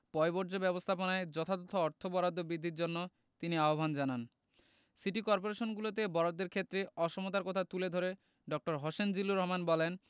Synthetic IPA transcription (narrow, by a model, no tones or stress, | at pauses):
pɔebɔɾd͡ʑobɛbost̪ʰaponaed͡ʑɔt̪ʰad̪ɔt̪ʰoɔɾt̪ʰobɔɾad̪ʱːobɾid̪ʱːiɾd͡ʑonːo | t̪iniaobʱand͡ʑanan | siʈikɔɾp̬oɾeʃonɡulot̪̬ebɔɾad̪ːeɾkʰet̪ːɾeɔʃomot̪aɾkɔt̪ʰat̪uled̪ʱoɾe | ɖɔk̚ʈoɾɦoʃend͡ʑilːuɾɔɦmanbɔlen